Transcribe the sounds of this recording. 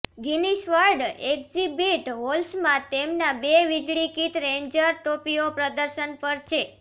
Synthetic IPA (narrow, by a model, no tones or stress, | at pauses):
ɡiniʃʋəɾɖekzibiʈɦolsmãt̪emnabeʋid͡ʒɭikit̪ɾẽɲd͡ʒəɾʈopijopɾəd̪əɾʃənpəɾt͡ʃʰe